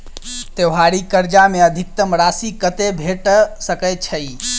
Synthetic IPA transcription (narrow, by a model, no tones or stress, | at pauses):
t̪ewɦaɾikəɾd͡ʒameəd̪ʱik̚t̪əmɾasikət̪ebʱeʈsəkət͡ʃʰəj